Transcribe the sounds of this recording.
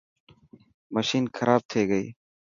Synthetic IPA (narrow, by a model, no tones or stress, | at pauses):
məʃiːnxʰɐɾaːb̚t̪ʰeːɡəḭː